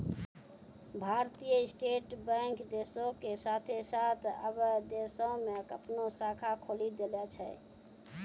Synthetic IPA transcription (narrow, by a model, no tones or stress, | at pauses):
bʱaɾt̪ijəisʈeʈbɛ̃ŋkd̪esõkesat̪ʰesat̪ʰə̰bəd̪esɔ̃mekəpnosakʰakʰolid̪elɛt͡ʃʰɛ̰